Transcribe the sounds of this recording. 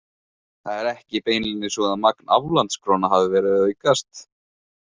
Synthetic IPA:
θaðɛɾɛhcɪpeːjnlinːɪsvɔðanmakna̰vlant̪skʰɾoːnaɦavɪvɛːɾɪðikast̪

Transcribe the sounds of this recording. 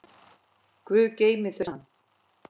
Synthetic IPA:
kvʏːceːjmɪθœanː

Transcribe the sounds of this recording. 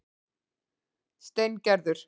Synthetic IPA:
st̪ejncɛɾðʏɾ̥

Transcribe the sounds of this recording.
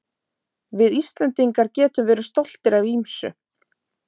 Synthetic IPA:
vɪðist̪lant̪iŋkaɾcɛːt̪ʏmvɛːɾʏ̥st̪ɔl̥t̪ɪɾavimsʏ̰

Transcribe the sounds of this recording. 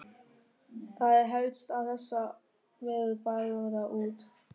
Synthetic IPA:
θaðɛɾɦœɥt̪st̪awθɛsːa | mɛðʏðpaːðɔðaʔuːt̪

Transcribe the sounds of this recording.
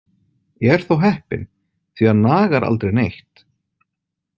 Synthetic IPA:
jɛɛɾ̥θowɦɛhpɪ̰n | θvɛːanaːɣaɾʔa̰lt̪ɾejnejht̪

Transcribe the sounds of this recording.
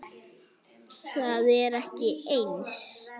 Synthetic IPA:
θaðɛɾɛhcɪejns

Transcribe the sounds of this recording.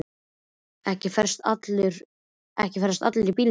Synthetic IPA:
ɛhcɪfɛɾ̥st̪a̰t̪lʏɾ | ɛhcɪfɛɾ̥st̪at̪lʏɾipiːl

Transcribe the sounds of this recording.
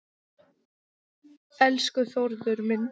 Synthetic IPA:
ɛlskʏθoɾðʏɾmɪn

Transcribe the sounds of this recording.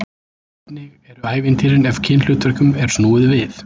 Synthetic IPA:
nɪɣɛɾʏaːjvɪnt̪ʰiːɾɪnɛvcʰɪnl̥ʏːt̪vœɾkʏmɛɾ̥snuːɪðvɪθ

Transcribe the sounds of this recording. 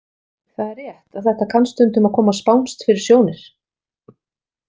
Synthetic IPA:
θaðɛrːjɛht̪aðθɛht̪akʰanst̪ʏnt̪ʏmaðkʰɔːmaspawnst̪fɪɾɪɾ̥sjoːwnɪɾ̥

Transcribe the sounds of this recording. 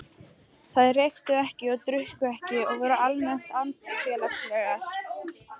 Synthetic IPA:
θaðrejxt̪ʏɛhcɪɔɣt̪ɾʏhkʏɛhcɪɔɣvɔːɾʏalmɛn̥t̪ant̪fjɛːlapsvɛɣaɾ̥

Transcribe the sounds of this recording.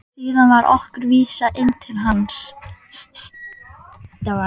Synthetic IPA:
siːðanvaɾʔɔ̰hkʏɾviːsaʔejnt̪ʰɪlɦans | t̪aa

